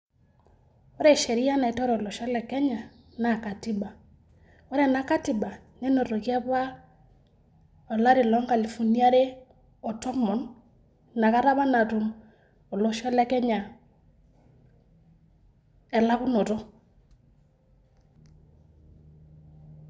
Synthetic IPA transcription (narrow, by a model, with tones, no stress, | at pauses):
ɔ˦ɾɛ˨ʃe˨ɾi˦a˦na˨i˨tɔ˦ɾɔ˨lɔ˨ʃɔ˦lɛ˨kɛ˦ɲa˨ | na˦˨ka˨ti˦ba˨ | ɔ˦ɾɛ˨na˨ka˦ti˨ba˨ | ne˦no˨to˨kjɛ˦pwa˦ | ɔ˨la˦ɾi˨lɔ˨˦ŋɡa˨li˨fu˨ni˦a˦ɾe˦ | ɔ˨tɔ˦mɔ˨n | na˨ka˦ɾa˦ba˦na˨tu˨m | o˨lɔ˨ʃɔ˦lɛ˦kɛ˦ɲa˨ | ɛ˨la˦ku˦no˨tɔ˦